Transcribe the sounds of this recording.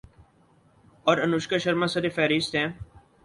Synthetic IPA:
ɔːɾənʊʃkəʃəɾmãːsəɾefɛːɾist̪ɛ̃ː

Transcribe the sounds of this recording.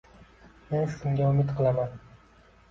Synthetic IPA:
me̞nʃʊmɡʲaʊmɪt̪qʰɨlˠaman

